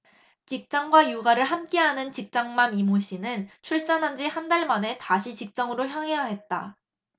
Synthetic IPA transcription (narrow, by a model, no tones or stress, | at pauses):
t͡ɕik̚t͡ɕ͈aŋɡwajuɡaɾɯɭɦamk͈e̞ɦanɯnt͡ɕik̚t͡ɕ͈aŋmamimoɕʰinɯnt͡ɕʰuɭs͈anɦand͡ʑihandaɭmane̞taɕʰit͡ɕik̚t͡ɕ͈ʌŋɯɾoçjʌŋɦejaɦe̞t̚t͈a